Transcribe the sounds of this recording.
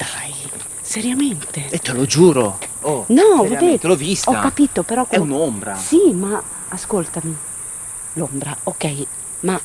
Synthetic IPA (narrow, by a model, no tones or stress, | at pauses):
d̪̥aj | seɾjament̪eet̪ːelod͡ʒuːɾonɔved̪et̪elovistɔakːapit̪opeɾɔkɛunombɾasimaː | skolt̪ami | lombɾaokːɛj | ma